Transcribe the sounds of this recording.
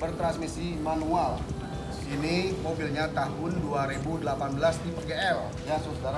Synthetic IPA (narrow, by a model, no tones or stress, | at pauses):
bərt̪ɾansmisimanual | inimobilɲat̪aɦʊnduaɾebudəlapanbəlast̪ipərɡeɛl | jasosdaɾa